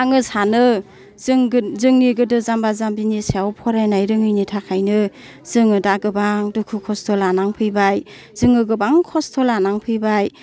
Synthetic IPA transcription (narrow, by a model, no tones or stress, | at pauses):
aŋɯsanɯ | ŋzɯŋniɡɯdɯzambazambinisiawpʰɔɾajnajɾɯŋɯjnitʰakʰajnɯ | z̥ɯŋɯdaɡɯbaŋdukʰukʰɔstʰɔlanaŋpʰɯjbaj | z̥ɯŋɯɡɯbaŋkʰɔstʰɔlanaŋpʰɯjbaj